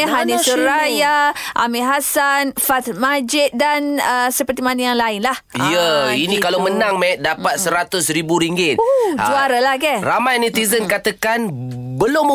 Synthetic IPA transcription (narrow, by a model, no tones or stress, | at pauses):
ɦanisuɾajaʔamiɦasanfat̪mad͡ʒɪt̪̚danəsəpərt̪imanajaŋlaɪnlahijəinikalamənãŋmɛt̪̚dapat̪̚səɾat̪ʊsɾibuɾiŋɡɪt̪̚d͡ʒuaɾalahkɛramajnit̪izənkat̪akanbəlʊmə